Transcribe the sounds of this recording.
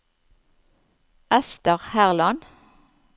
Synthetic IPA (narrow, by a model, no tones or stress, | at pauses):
ʔɛst̪əʁhæʁlɑn